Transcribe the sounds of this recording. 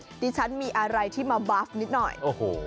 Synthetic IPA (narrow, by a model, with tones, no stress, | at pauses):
diː˧t͡ɕʰa˦˥nmiː˧ʔa˧ɾa˧jt̪ʰiː˥˩maː˧baː˦˥f̚ni˦˥t̪̚nɔ̰˨˩jʔoː˨˩hoː˧˩